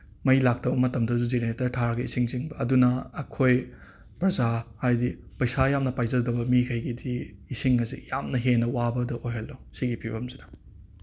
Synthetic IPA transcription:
mɐjlak̚tɐbɐmɐtɐmdɐzuzeneetɐɾtʰaɾɡɐisiŋziŋbɐːdunɐːkʰoj | pɾɐzahajdipɐjsajamnɐpajzɐldɐbɐmikʰɐjɡidiisiŋɐzḭjamnɐɦenɐwabɐdɐojɦɐlːosiɡipʰibɐmzinɐ

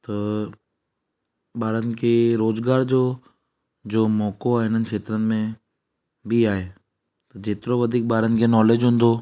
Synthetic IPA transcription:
t̪ɐ | ɓaːɾənɪ̆kʰeɾoːzɡaːɾd͡ʑoː | d͡ʑoːmɔːkoaːɪn̤ənɪ̆kʰeːt̪ɾənɪ̆mẽ | bʱiaːɦeː | t̪ɐd͡ʑeːt̪ɪɾoʋɐd̪ʱiːk̚ɓaːɾənɪ̆kʰenɔːleːd͡ʑɦʊ̃ːnd̪oː

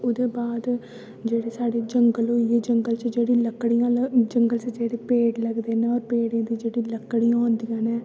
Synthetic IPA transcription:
ʊd̪eːbaːd̪ | d͡ʒeːɽeːsaːɽeːd͡ʒəŋɡəlɦoːieːd͡ʒəŋɡəlt͡ʃd͡ʒeːɽiːləkːɽijãːld͡ʒəŋɡəlt͡ʃəd͡ʒeːɽeːpeːɽləɡd̪eːnẽːɔːɾpeːɽẽːd̪iːd͡ʒeːɽiːləkːɽiːãːʊ̃nd̪ijãːneː

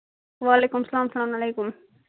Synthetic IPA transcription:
ʋɑːlejkumsɐlaːmsɐlaːmɐlejkum

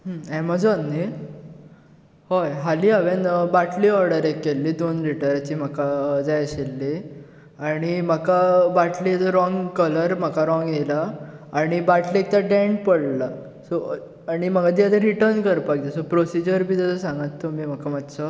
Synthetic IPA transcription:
ɦəɛmad͡zɔnːi | hojɦaliːaʋenbaʈʰliːɔɾɽəɾekːelːiːd̪onɾiʈajɾat͡ɕiːm̤əkad͡zajɕelːe | aɽ̃im̤əkabaʈʰlit̪ɔɾɔŋɡkələɾm̤əkaɾɔŋɡelaːɽ̃ibaʈʰliek̚t̪aɖɛ̃ɳʈ̚pəɽla | sɔ | aɽ̃iməɡad̪iat̪ẽɾiʈəɾnkəɾpakd͡ʑ̪esɔpɾosid͡ʑəɾbʱiːt̪əsɔsãŋɡat̪ːomim̤akamad̪sə

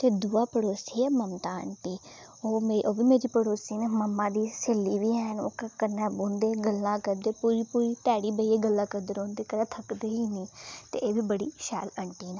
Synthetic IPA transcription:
t̪eːd̪uːaːpəɽoːsiːɛːməmt̪aːə̰ɳʈiː | oːmeʔoːbiːmeːɾiːpəɽoːsiːneməmːãːd̪iːseːlːiːʋiːɦɛːno̰ːkəkənɛ̃ːbõːnd̪eːɡəlːãːkəɾd̪eːpuːɾiːpuːɾiːt̪ɛːɽiːbəiːeːɡəlːãːkəɾd̪əɾõːnd̪eːkəɾɛːt̪ʰəkd̪eːɦiːniːt̪ḛːeːbiːbəɽḭːʃɛ̰ːləɳʈiːnaː

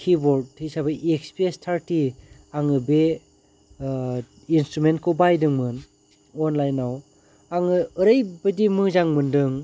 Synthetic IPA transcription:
kʰibɔɾd̚hʰijsabɐʔekspiestʰaɾtiaŋɯbe | instɾument̚kʰowbajdɯŋmɯn | onlajnaw | aŋɯɯɾɯjbɐdimɯzaŋmɯndɯŋ

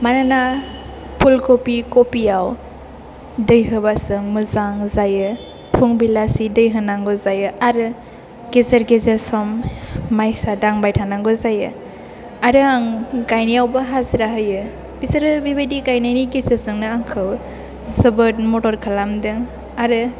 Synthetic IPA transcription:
manana | pʰulkopikopijaw | dɯjɦɯbasɯŋmɯzaŋzajɯ | pʰuŋbilasidɯjɦɯnaŋɡɔzajɯaɾɯ | ɡ̥ezeɾɡezeɾsɔmːajsadaŋbajtʰanaŋɡɔzajɯ | aɾɯaŋɡajnijawbɯɦaziɾaɦɯjɯ | b̥isəɾɯbibedikajnajniɡezeɾsɯŋnɯaŋkʰɯw | zɯbɯt̚mɔtɔɾkʰalamdɯŋ | aɾɯ

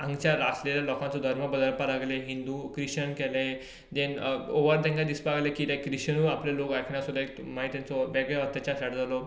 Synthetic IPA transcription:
ãŋɡt͡ɕaɾasleljalɔkãnt͡sɔd̪ʱəɾməbəd̪əɾpalaɡleɦind̪ukɾiɕənkɛlẽ | d̪ẽnoʋəɾd̪ẽŋɡad̪ispaɡlekit̪ẽkɾiɕənuaplelokakʰnjasud̪aekmaɦit̪ːjãnt͡sɔʋɛɡjɔət̪ːat͡ɕaɕaɽd͡zalɔ

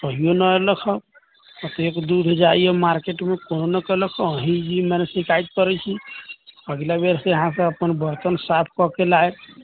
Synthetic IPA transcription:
kəɦijonəeləkʰə | pət̪ekd̪uɾʱd͡ʒaiemaɾkeʈmekononəkələkʰɔəɦĩd͡ʒimɛnesikait̪̚pəɾɛt͡ʃʰi | əɡlabeɾseəɦãsə̃əpənbəɾt̪ənsapʰkɔkelaet̪

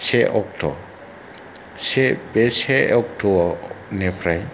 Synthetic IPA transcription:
seʔɔk̚tʰɔ̰ | sebeseɔk̚tʰɔnɛpʰɾaj

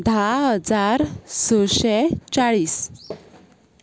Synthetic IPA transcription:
d̪ʱaɦəd͡zaɾsəɕɛt͡saɭiːs

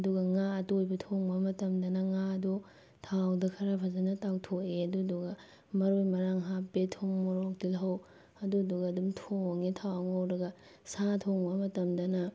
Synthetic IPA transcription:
duɡɐŋaɐtojbɐtʰoŋbɐmɐtɐmdɐnɐŋaɐdu | tʰawdɐkʰɐɾapʰɐzɐnɐtawtʰokeɐduɐduɡɐ | mɐɾojmɐɾaŋɦapbetʰoŋmoɾok̚dilɦɐw | ɐduɐduɡɐːdumtʰoŋetʰawaŋawɾɐɡɐ | satʰoŋbɐmɐtɐmdɐnɐ

